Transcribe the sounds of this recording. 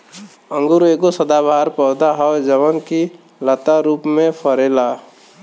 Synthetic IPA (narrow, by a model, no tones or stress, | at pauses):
ə̃ŋɡuɾekosəd̪abʱaːɾpɔʊd̪aɦɔd͡ʒəʋənki | lət̪aɾuːpmẽpʰəɾeːla